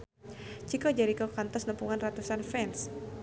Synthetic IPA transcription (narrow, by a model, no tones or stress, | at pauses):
d͡ʒikɔd͡ʒaɾikɔkant̪ɔsnəmpuŋanrat̪usanfɛns